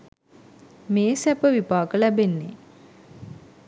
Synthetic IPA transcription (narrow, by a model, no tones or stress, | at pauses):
meːsæpəʋipaːkəlæbenːe